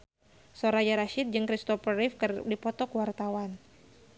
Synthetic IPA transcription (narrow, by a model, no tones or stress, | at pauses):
sɔɾad͡ʒaɾaʃit̪̚d͡ʒɨŋkɾist̪ɔfəɾifkərdipɔt̪ɔkwart̪awan